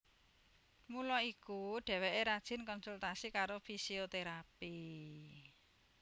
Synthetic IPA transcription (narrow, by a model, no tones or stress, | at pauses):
mulɔikuɖ̥ɛ̤wɛʔeɾad̥ʒ̥ɪ̤nkɔnsult̪asikaɾofisiot̪eɾapi